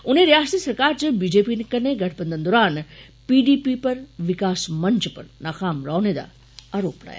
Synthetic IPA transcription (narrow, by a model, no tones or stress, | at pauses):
ʊnẽɾijaːsət̪iːsɐɾkaːɾt͡ɕebiːd͡ʑeːpiːnekɐɾneɡɐʈʰbə̃nd̪ənd̪ɔːɾaːn | piːɖiːpipɐɾʋɪkaːsmɐ̃ɲt͡ʃpɐ̰ɾnaːkaːmɾaːned̪a̰ | aːɾoːpla̰ːja̰